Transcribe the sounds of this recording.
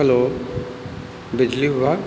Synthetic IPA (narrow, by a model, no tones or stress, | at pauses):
əlo | bɪd͡ʒliɦʊʋa